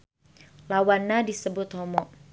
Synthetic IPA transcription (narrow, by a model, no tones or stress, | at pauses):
lawanːadisəbʊt̪hɔmɔʔ